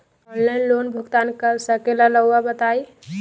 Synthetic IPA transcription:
ɔnlaɪnloːnbʱʊɡt̪ankəɾsəkelaləabət̪ai

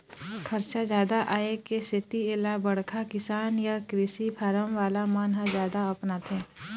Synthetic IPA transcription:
kʰɐɾt͡ʃazjaːd̪aʔaːekesɪt̪ielabɐɽkʰakɪsaːnjakɾɪsipʰaɾəmʋaːlamaːnɦazjaːd̪aɐpnaːt̪ɦɛː

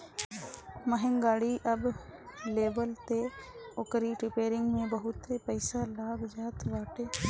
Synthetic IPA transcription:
məɦɪ̃ŋɡaːɽiʔɐbleːbəlt̪eokɾiʈɾɪpeːɾɪ̃ŋɡmẽbəɦʊt̪ːepəɪsalaːɡd͡ʒaːt̪ʋaːʈeː

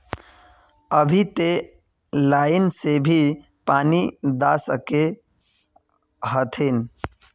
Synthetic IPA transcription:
əbʱit̪e | laːɪnsebʱi | paːnid̪asəke | ɦət̪ʰen

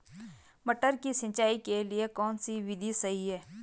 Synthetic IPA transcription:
mɐʈəɾkisɪ̃nt͡ʃaːikeliekɔːnsiʋɪd̪ʱisɐɦiɦɛː

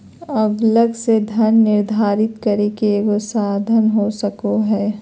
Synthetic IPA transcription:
ɐbləɡsed̪ʱənːɪɾd̪ʱaːɾɪt̪kɐɾekeɡosaːd̪ʱənɦosɐkoɦɛː

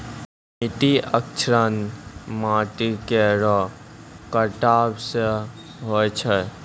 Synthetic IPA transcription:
mɪʈiək̚t͡ʃʰɾənmaːʈikeɾɔ | kəʈaːbseɦojt͡ʃʰə

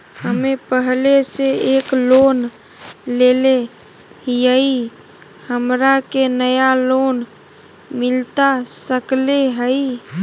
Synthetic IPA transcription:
həmepəɦleseeklon | lele | jəi | həmɾakenəjalon | mɪlt̪asəkleɦəi

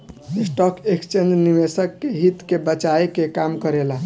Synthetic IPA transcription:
isʈɔkekst͡ʃend͡ʒnimesəkːeɦit̪kebət͡ʃaekekamkəɾela

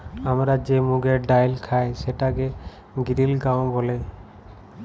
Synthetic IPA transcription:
amɾad͡ʒemuɡɛɖajlkʰajsɛʈaɡɛ | ɡiɾilɡaw̃ɡɔlɛ

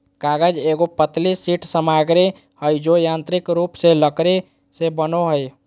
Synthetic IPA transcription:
kaɡəd͡ʒeɡopət̪lisiʈʰsəmaɡɾe | həjd͡ʒojant̪ɾikɾupseləkɾe | sebənoɦəj

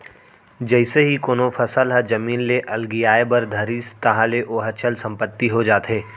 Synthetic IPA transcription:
d͡ʒɛɪseɦikoːnofʰɐsəlɦəd͡ʒɐmiːnleʔɐlɡijaːebəɾd̪ʱɐɾist̪ɐɦãleʔoːɦət͡ʃʰəlsɐ̃mpət̪ːiɦod͡ʒaːt̪ɦeː

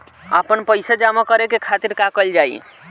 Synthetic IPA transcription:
a̰pənpəjsad͡ʒamakəɾekekʰat̪iɾkakəld͡ʒaḭ

